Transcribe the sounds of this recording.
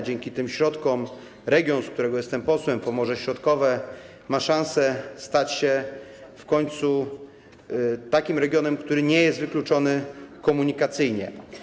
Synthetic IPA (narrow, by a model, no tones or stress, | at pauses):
d͡ʑɛŋkʲit̪ɘmɕɾɔt̪kɔm | ɾɛɡʲjɔ̃nsk̚t̪uɾɛɡɔjɛst̪ɛmpɔswɛmpɔmɔʐɛɕɾɔt̪kɔvɛ | maʂãnsɛst̪at͡ɕɕɛfkɔɲt̪su | t̪akʲimɾɛɡʲjɔnɛmkt̪uɾɘɲɛjɛst̪vɘklut͡ʂɔnɘkɔmuɲikat̪sɘjɲɛ̰